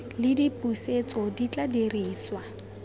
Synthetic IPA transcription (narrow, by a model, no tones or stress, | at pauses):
lɪdipʼuset͡sɔdit͡ɬʼaderiːswa